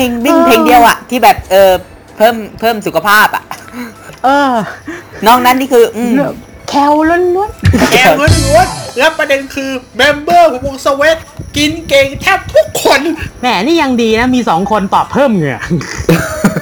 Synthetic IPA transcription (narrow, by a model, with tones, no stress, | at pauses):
e˧ŋwi˥˩ŋpʰeː˧ŋdi˧əwʔa˨˩ʔt̪ʰiː˥˩bɛː˨˩p̚ʔɤː˧ | pʰɤː˥˩mpʰɤː˥˩msu˨˩kʰa˧pʰaː˥˩pʔa̰˨˩ʔ | ʔɤː˧ | nɔː˥˩ŋna˦˥nːiː˥˩kʰɯː˧ʔɯː˧˩ | kʰɛː˧˩wlo˦˥nlu˦˥ət̪̚kʰɛ˧wlo˦˥nlu˦˥ət̪̚ɾa˦˥pːɾa˧de˧nkʰɯː˧bɛ˧mbɤː˥˩kːo˧ŋsa˧we˦˥t̪̚ki˧nkeː˧ŋt̪ʰɛː˥˩p̚t̪ʰu˦˥kʰːo˧nmɛː˧˩niː˥˩ja˧ŋdiː˧na˦˥miː˧sɔː˩˦ŋkʰo˧nt̪ɔː˨˩pʰːɤː˥˩mŋɯ˨˩ə